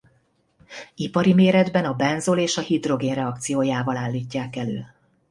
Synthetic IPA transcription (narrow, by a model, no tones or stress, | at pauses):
ipɒɾimeːɾɛd̪bɛnɒbɛnzoleːʃɒhid̪ro̞ɡeːnrɛɒk̚t̪sijoːjaːvɒlaːlːiːcːaːkɛlø̰ː